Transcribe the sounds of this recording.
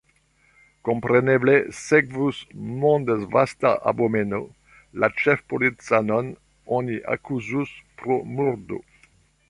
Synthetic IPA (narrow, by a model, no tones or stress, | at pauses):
kompɾenebleseɡvusmõnd̪ezvast̪aʔa̰bomeno | lat͡ʃefpolit͡sanon | oniʔa̰kuzuspɾomuɾd̪o̰